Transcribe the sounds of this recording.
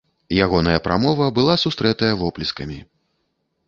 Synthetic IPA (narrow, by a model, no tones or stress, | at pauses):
jaɣɔnɐjɐpɾa̰mɔvɐbɨlˠasust̪ɾɛt̪ɐjɐvɔplʲiskɐmʲi